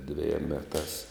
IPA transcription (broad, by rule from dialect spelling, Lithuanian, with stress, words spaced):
dʲʋʲɛˈjiɛm ˈmʲæːtɑːs